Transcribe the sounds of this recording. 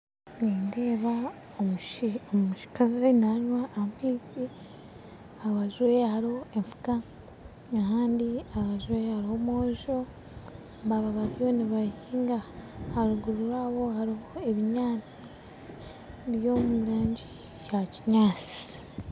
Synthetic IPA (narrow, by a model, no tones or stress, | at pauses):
niːnde̞ːβa | oomuʃi̥kazinaɲwaːamiːzi | aβaʒuwehaɾioeɱfu̥ka | aɦaːndiaβaʒuwehaɾiho̞moːʒo̞ | βaβaβaɾijo̞niβahiːŋɡahaɾuɡuɾuɾaːβo̞haɾihoe̞βiɲaːt͡si | βjomuiɾaːɲɟi | jaciɲaːt͡si̥